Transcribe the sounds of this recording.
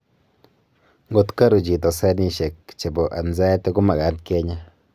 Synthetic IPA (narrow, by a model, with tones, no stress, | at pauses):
ŋɡo˦tka˦ɾu˨t͡ʃi˨tɔ˨sɛ˦ni˦ʃe˨kt͡ʃe˨bo˨ʔa˨nza˦te˦ku˦ma˨ka˨˦nt̚ke˦ɲa˦